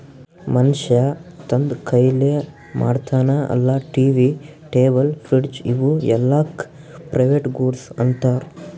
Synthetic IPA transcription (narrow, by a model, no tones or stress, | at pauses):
mɐnʃjɐt̪ɐnd̪kʰɐjle | ma̰ːɖt̪ʰaːnɐʔɐ̰lːɐʈiːʋiʈeːbɐlpʰɾiɽd͡ʒḭʋuɛlːak | pɾʔɐjʋeːʈɡuːɽsɐ̰nt̪aːɾ